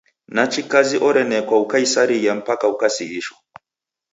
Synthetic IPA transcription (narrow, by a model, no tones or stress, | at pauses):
nat͡ʃikaziʔɔɾɛnɛkwaukaisaɾijam̩pakaukasiiʃwɔ